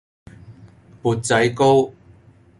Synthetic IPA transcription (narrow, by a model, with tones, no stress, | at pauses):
pu˨˩t̚t͡sɐ˨˦jko˥w